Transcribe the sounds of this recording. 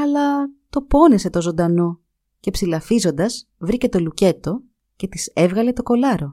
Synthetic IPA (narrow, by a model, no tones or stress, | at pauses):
ɐlɐt̪o̞po̞nese̞t̪o̞zo̞nd̪ɐno̞ | ce̞psilɐfizo̞nd̪ɐz̥vɾice̞t̪o̞luce̞t̪o̞ | ce̞t̪isevɣɐle̞t̪o̞ko̞lɐɾo̞